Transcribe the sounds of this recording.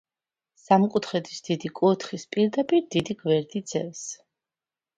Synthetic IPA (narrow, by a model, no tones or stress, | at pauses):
samkʼut̪ʰχɛd̪ʰi̥sd̪̥id̪ikʼut̪ʰχispʼiɾd̪apʼiɾd̪id̪iɡvɛɾd̪id̪z̥ɛ̰s